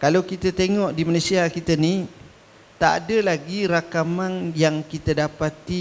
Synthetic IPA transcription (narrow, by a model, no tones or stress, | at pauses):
kalawkit̪ət̪eŋɔʔdimanesiakit̪əni | t̪aʔa̰dəlaɡiɾakamanjaŋkit̪ədapat̪i